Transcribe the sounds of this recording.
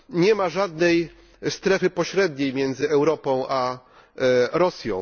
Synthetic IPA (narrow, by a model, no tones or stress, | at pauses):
ɲɛmaʐad̪nɛj | st̪ɾɛfɘpɔɕɾɛd̪ɲejmʲjɛnd̪zɘɛwɾɔpɔ̃w̃ʔa | ɾɔsʲjɔ̃w̃